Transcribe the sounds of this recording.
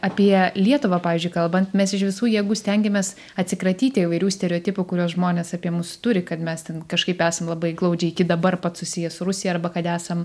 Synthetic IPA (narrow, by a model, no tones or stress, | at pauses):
ɐpʲiɛlʲiɛt̪ʊʋɑːpɑːʋʲɪːzʲd͡ʒʲʊɪkɐlˠbɐnt̪mʲɛsɪʃʋʲɪsuːjiɛɡuːsʲt̪ʲɛŋʲɡʲɛmʲɛs | ɐt̪ʲsʲɪkɾɐt̪ʲiːt̪ʲɪɪʋɐɪɾʲuːsʲt̪ʲɛɾʲɛoːt̪ʲɪpʊkʊɾʲuɔsʒmoːnʲeːsɑːpʲiɛmʊst̪ʊɾʲɪkɐt̪mʲɛst̪ʲɛnkɐʃkɐɪpæːsɐmlˠɐbɐɪɡlˠɐʊd͡ʒʲɛɪɪkʲɪd̪ɐbɐrpɐt̪sʊsʲɪjɛsʊɾʊsʲɪjɛɐrbɐkɐt̪æːsɐm